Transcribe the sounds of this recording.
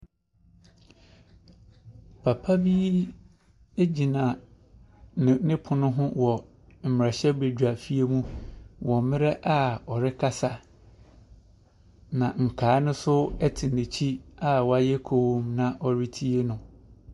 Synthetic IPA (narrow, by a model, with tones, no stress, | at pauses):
pʰa˨pʰa˦bi˦ | e˦d͡ʑi˨nã˨ | ɪ˨nɪ̃˦pʰʊ˨nʊ̃˦ɦʊ̃˦wɔ˨ | m̩˨m˨ɾa˨ɕɛ˦be˨dᶣa˨fi˦e˦mũ˦wɔ̃˨mɪ̃˦ɾɛ˦ʔa˦ɔ˨ɾɪ˦kʰa˦sa˨ | nã˨ŋ̩˨kʰaː˨˦nʊ̃˦sʊ˦ɛ˦tʰɪ˨nɪ̃˨t͡ɕʰi˦a˨wɔ˦a˦jɛ˦kʰoː˦˨˦mnã˨ʔɔ˨ɾi˦tʰi˦e˦nʊ̃˨